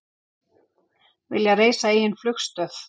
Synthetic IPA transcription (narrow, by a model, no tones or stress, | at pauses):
vɪ̰ljareːjsaeːjɪnflʏxst̪œθ